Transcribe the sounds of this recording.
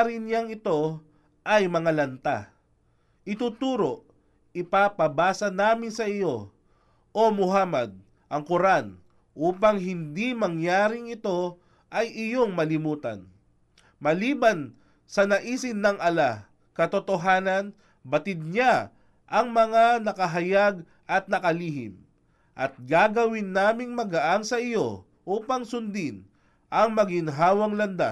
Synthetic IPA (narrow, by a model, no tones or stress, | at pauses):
ɾɪnjaŋɪt̪o̞ | ʔɐjmɐŋalɐnt̪a̰ | ʔɪt̪uːt̪uːɾo̞ | ɪpapɐbaːsɐnaːmɪnsɐɪjo̞ | ʔomʊɦaːmɐd̪̚ | ʔɐŋkʊɾan | ʔuːpɐŋɦɪnd̪imɐŋjaːɾɪŋɪt̪o̞ | ʔɐjɪjo̞ŋmɐlɪmuːt̪ɐ̰n | mɐliːbɐn | sɐnɐʔiːsɪnːɐŋʔɐla | kɐt̪ot̪oɦaːnɐn | bɐt̪ɪd̪̚ɲa | ʔɐŋmɐŋanɐkɐɦɐjaɡ | ʔɐt̪̚nɐkɐliːɦɪ̰m | ʔɐt̪̚ɡaːɡɐwɪnːaːmɪŋmɐɡɐʔaŋsɐɪjo̞ | ʔuːpɐŋsʊnd̪ɪn | ʔɐŋmɐɡɪnɦaːwɐŋlɐnd̪a̰